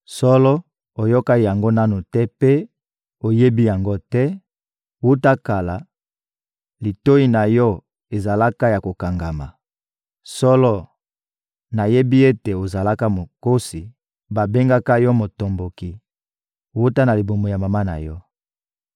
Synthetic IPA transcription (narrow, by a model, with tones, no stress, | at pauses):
sɔ˦lɔ˦ | o˨jɔ˦ka˦˨ja˨ŋɡo˦na˦nu˨tɛ˦pe˦ | o˨je˦bi˦ja˨ŋɡo˦tɛ˦ | wu˦ta˦ka˨la˨ | li˨to˦i˦na˨jɔ˦ | e˨za˨la˦ka˦ja˨ko˨ka˨ŋɡa˨ma˨ | sɔ˦lɔ˦ | na˨je˦bi˦e˦te˨o˨za˨la˦ka˦mo˨ko˦si˨ | ba˨be˦ŋɡa˦ka˦jɔ˦mo˨to˨mbo˨ki˨ | wu˦ta˦na˨li˨bo˨mo˨ja˨ma˨ma˦na̰˨jɔ˦